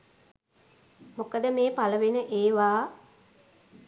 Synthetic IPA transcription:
mokəd̪əmeːpaləʋenəʔeːʋaː

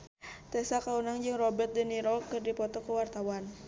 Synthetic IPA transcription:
t̪ɛsakaunaŋd͡ʒɨŋrɔbɛrt̪̚dəniɾɔkɨrdipɔt̪ɔkəwart̪awan

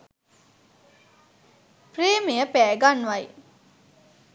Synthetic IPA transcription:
preːmejəpæːɡanːʋaj

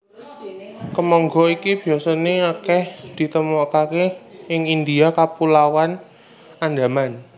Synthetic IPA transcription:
kəmɔŋɡɔikib̥i̤asɔneakɛhd̪̥i̤t̪əmɔʔkakeɪŋind̪iakapulawan | and̪a̤man

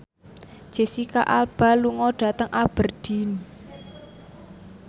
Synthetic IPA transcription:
d͡ʒ̥e̤sikaʔalb̥a̤luŋɔɖ̥ä̤t̪əŋʔab̥ə̤rɖ̥i̤n

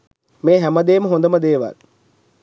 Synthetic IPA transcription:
meːɦæməd̪eːməɦond̪əməd̪eːʋa̰l

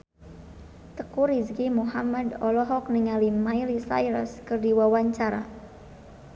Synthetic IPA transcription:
t̪əkuriskimuɦamadɔlɔɦɔk̚niŋalimajlisa̰jɾə̰skɨrdiwawaɲt͡ʃaɾa̰

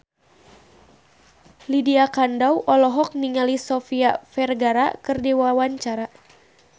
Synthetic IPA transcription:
lidiakandawʔɔlɔɦɔk̚niŋalisɔfiafɛrɡaɾa̰kɨrdiwawaɲt͡ʃaɾa

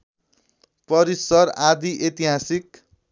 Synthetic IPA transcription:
pʌɾisʌɾad̪iʔet̪iɦasik

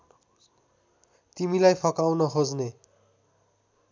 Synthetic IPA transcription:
t̪imilajpʰʌkawnʌɦod͡zne

